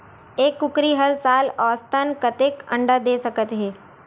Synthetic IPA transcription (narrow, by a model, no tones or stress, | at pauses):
eːkːʊkɾiɦəlsaːlɔːst̪ənkət̪ekɐ̰̃ɳɖəd̪eːsɐkət̪ɦɛː